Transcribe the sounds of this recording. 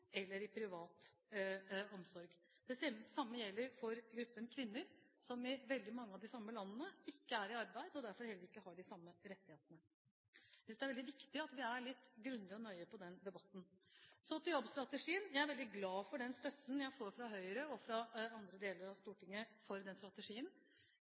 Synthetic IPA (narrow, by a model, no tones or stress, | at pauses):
ɛlːəɾɪpʰɾɪʋɑːt̪ | ɔmsɔɾɡ | d̪̥ɛsɛsɑmːəjɛlːəɾfɔɾɡɾʉpːənkʰʋɪnːəɾsɔmɪʋɛld̪ɪmɑŋːəɑʋd̪ɪsɑmːəlɑnːənəɪkːəæɾɪɑɾbæɪd̪əɔd̪æɾfɔɾhɛlːəɾɪkːəhɑɖɪsɑmːəɾɛt̪ːɪheːt̪ənə | sɪsd̪ɛæɾʋɛld̪ɪʋɪkt̪ɪɑt̪ʋɪæɾɭɪt̪ːɡɾʉnd̪ɪɔnœʏəpʰɔd̪ɛnd̪ɛbɑt̪ːn̩sɔt̪ɪljɔbst̪ɾɑt̪əʂiːənjæɪæɾʋɛld̪ɪɡlɑːfɔɖɛnst̪œt̪ːn̩jæɪfoːɾfɾɑɦœʏəɾəɔfɾɑɑnd̪ɾəd̪eːləɾɑʋst̪uːʈɪŋːəfɔɾd̪ɛnst̪ɾɑt̪əʂiːən